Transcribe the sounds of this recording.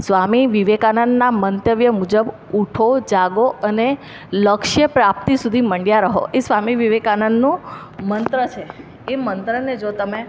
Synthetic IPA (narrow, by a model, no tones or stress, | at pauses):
sʋamiʋiʋekanənːamənt̪əʋjəmud͡ʒəb | uʈʰod͡ʒaɡoəne | ləkʃjəpɾap̚t̪isud̪ʱiməɳɖjaɾəɦo̰ʔesʋamiʋiʋekanənːũ | mənt̪ɾət͡ʃʰe | emənt̪ɾəned͡ʒot̪əme